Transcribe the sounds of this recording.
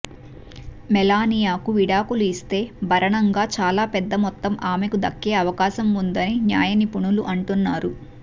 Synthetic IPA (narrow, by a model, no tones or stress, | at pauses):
mɛlaːnijaːkuʋiɽaːkuluist̪e̞ːbʱɐɾɐɳɐŋɡaːt͡ʃaːlaːpɛd̪ːɐmɔt̪ːɐmʔaːmekud̪ɐkːe̞ːɐʋɐkaːʃɐmund̪ɐninja̰ːjɐnipuɳuluʔɐɳʈunːaːɾu